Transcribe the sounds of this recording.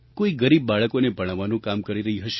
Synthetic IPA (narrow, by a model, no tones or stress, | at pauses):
koiɡəɾibːaɭəkonebʱəɽ̃aʋanũkamkəɾiɾəɦiɦəʃe